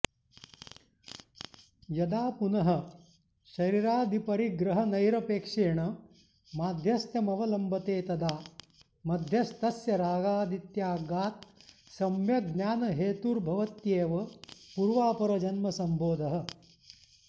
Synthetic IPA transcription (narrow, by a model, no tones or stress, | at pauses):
jɐd̪aːpunɐɦɐ̆ | ʃɐɾiɾaːd̪ʱipɐɾiɡɾɐɦɐnɐjɾɐpeːkʂeːɳɐ | maːd̪ʱjɐst̪jɐmɐʋɐlɐmbʱɐt̪eːt̪ɐd̪aː | mɐd̪ʱjɐst̪ɐsjɐɾaːɡaːd̪it̪jaːɡaːt̪̚ | sɐmjɐɡnaːnɐɦeːt̪uɾbʱɐʋɐt̪jeːʋɐpuɾʋaːpɐɾɐd͡ʒɐnmɐsɐmbʱoːd̪ʱɐɦɐ̆